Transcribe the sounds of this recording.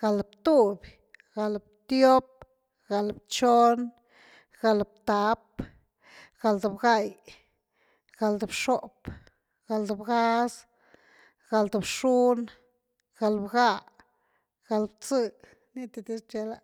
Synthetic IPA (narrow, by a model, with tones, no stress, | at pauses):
ɡ̥a˧lbt̪u˦b | ɡ̥a˨˧lbt̪jo˦p̚ | ɡ̥a˨lbt͡ʃo˦n | ɡ̥a˧lb̚t̪a˧˦p | ɡ̥a˧ld̪o˧˨bɡa˦˧j | ɡ̥a˧ld̪u˧˨bʂo˦p | ɡ̥a˧ld̪u˧˨bɡa˦s | ɡ̥a˧ld̪u˨bʂu˦n | ɡ̥a˧lbɡa˧ | ɡ̥a˧lbt͡sɨ˧ | ni˦t̪e˧d̪i˦st͡ʃe˧la˧